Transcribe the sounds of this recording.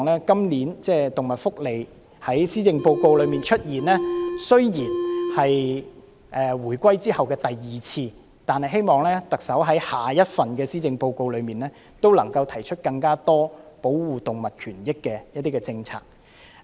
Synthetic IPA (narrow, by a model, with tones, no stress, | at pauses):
ŋlɛː˥kɐ˥mliː˨˥nt͡sɛː˥t̪ʊ˨ŋmɐ˨t̚fʊ˥k̚le˨j | hɐ˨˥jsiː˥t͡sɪ˧ŋpo˧wko˧wlɵ˨˧ɥmiː˨˩nt͡ʃʰɵ˥t̚jiː˨˩nlɛː˥sɵ˥ɥjiː˨˩nhɐ˨j | ʔɛː˨wuː˨˩jkʷwɐ˥jt͡siː˥hɐ˨wkɛː˧t̪ɐ˨jːiː˨˩t͡sʰiː˧ | t̪aː˨nhɐ˨jɦe˥jmɔː˨˩ŋlɛː˥t̪ɐ˨k̚sɐ˨˥wɦɐ˨˥jhaː˨jɐ˥t̚fɐ˨nkɛː˧siː˥t͡sɪ˧ŋpo˧wko˧wlɵ˨˧ɥmiː˨nlɛː˥ | t̪o˥wlɐ˨˩ŋkɐ˧wt̪ʰɐ˨˩jt͡ʃʰɵ˥t̚kɐ˧ŋkaː˥t̪ɔː˥po˨˥wwuː˨t̪ʊ˨ŋmɐ˨t̚kʰyː˨˩njɪ˥kːɛː˧jɐt̚t̪i˥kɛː˧t͡sɪ˧ŋt͡sʰa̰ː˧˩k̚